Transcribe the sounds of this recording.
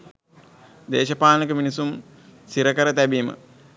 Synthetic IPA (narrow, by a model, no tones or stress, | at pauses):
d̪eːʃɐpaːnɐkəminisum | siɾəkəɾət̪æbiːmə̰